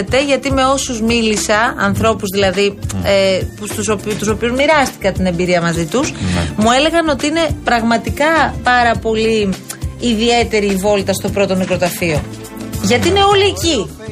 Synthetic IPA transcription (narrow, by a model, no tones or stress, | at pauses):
et̪e̞ʝɐt̪ime̞o̞suzmilisɐɐnθɾo̞puzðilɐðiepst̪usot̪uso̞piuzmiɾɐst̪i̥kɐnt̪inembiɾiɐmɐzit̪usmue̞le̞ɣɐno̞t̪iine̞pɾɐɣmɐt̪ikɐpɐɾɐpo̞liː | ðie̞t̪e̞ɾiːvo̞lt̪ɐst̪o̞pɾo̞t̪o̞nikɾo̞t̪ɐfio̞ | ʝɐt̪iine̞o̞lieci